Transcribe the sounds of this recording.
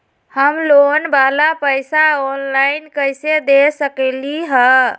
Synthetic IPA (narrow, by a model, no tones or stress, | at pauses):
həmlonbalapəjsaonlajnkəjsed̪esəkɛliɦə